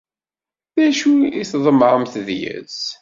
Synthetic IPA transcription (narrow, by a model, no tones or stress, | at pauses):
ðæʃuiθðˤəməʁəmθðjə̰z